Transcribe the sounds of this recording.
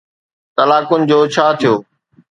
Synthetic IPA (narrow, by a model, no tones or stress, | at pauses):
t̪ɐlaːkʊnɪ̆d͡ʑoːt͡ɕʰaːt̪ʰijoː